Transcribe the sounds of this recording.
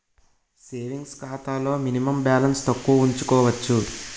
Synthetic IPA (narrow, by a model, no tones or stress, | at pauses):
seːʋiŋɡskaːt̪aːlo̞ːminimɐmbjaːlɐnst̪ɐkːuɐuɲt͡ʃukɔːʋɐt͡ʃːu